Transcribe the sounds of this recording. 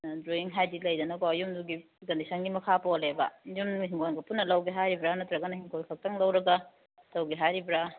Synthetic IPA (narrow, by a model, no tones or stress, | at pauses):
dɾoiŋɦajdilɐjdɐnɐkoɐjumduɡi | ɡɐndisɐnɡimɐkʰapolebɐ̰jumɦimkʰojnɡɐpunːɐlɐwɡiɦajɾibɾanɐtɾɐɡɐnɐhimkʰolkʰɐk̚tɐŋlɐwɾɐɡɐ | tɐwɡiɦajɾibɾa